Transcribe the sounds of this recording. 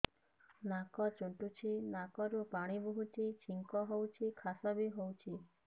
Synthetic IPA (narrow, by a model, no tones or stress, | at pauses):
nakɔt͡ʃuɳʈut͡ʃʰinakɔɾupaɽ̃ibuɦut͡ʃit͡ʃʰiŋkɔɦowt͡ʃʰikʰasɔbiɦowt͡ʃʰi